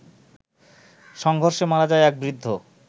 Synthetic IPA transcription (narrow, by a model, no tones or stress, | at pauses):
ʃɔŋɡʱoɾʃemaɾad͡ʑaeɛk̚bɾid̪ʱːo